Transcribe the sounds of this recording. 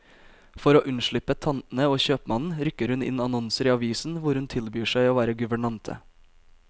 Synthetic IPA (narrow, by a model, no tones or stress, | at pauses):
fɔɾoːʔʉnʂɭʏpət̪ʰɑnn̩əoːçøːpmɑnn̩ɾʏkəɾhʉnɪ̰nɑnɔnsəɾiːɑʋiːsn̩ʋʊɾhʉnt̪ʰɪlbyːʂæɪoːʋæːɾəɡʉʋəɳɑnt̪ʰə̰